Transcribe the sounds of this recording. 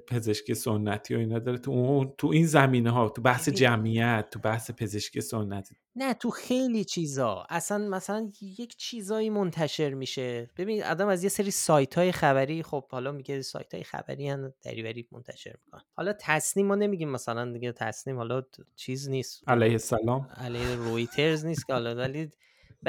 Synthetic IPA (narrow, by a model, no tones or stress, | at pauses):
pʰe̞ze̞ʃkʰiesonːæt̪ʰiːjoiːnɒːd̪ɒːɾet̪ʰut̪ʰuinzæmiːneɦɒːt̪ʰubæhsed͡ʒæmijæt̪̚ːubæhsepʰe̞ze̞ʃkʰijesonːæt̪ʰi̥ | næt̪ʰuxe̞jliːt͡ʃʰiːzɒ̰æsænmæsælænjecʰt͡ʃʰiːzɒːiːmont̪ʰæʃe̞ɾmiːʃe̞b̥e̞biːnid̪ɒ̰ːd̪æmæzje̞seɾiːsɒːjt̪ʰɒːjexæβæɾiːχob̥̚hɒlɒmiɡesɒ̰jt̪ʰɒ̰ːjexæ̰bæ̰ɾiænd̪̥æ̰ɾivæɾiːmo̰nt̪ʰæ̰ʃe̞̰ɾmikʰo̰nehɒ̰lɒt̪ʰæsniːmːɒːne̞miɟimːæsælænd̪iɡet̪ʰæ̰sniːmhɒlɒt͡ʃʰiːzniːst̪ælæjhesːælɒːmælæjheɾojt̪ʰe̞ɾzniːst̪kʰʲehɒlɒvæli | b